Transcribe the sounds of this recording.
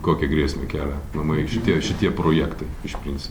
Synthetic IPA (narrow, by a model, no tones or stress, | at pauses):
koːkʲiɛɡɾʲiɛsʲmʲeːkʲæːlʲɛnɐmɐɪʃʲɪt̪ʲiɛʃʲɪt̪ʲiɛpɾoːjækt̪ɐɪɪʃpʲɾʲɪnʲtsʲɪp